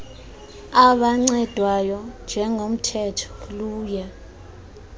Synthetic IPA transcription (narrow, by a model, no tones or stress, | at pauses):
aɓaŋ͡ǀɛd̥ʱwajɔnd͡ʒʱɛŋʱom̩tʰɛtʰɔ̥luːja